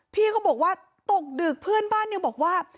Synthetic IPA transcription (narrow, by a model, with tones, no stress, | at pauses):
pʰiː˥˩kʰɔ˥˩bɔː˨˩k̚waː˥˩ | t̪o˨˩k̚dɯː˨˩k̚pʰɯ˥˩ənbaː˥˩nːi˥˩bɔː˨˩k̚waː˥˩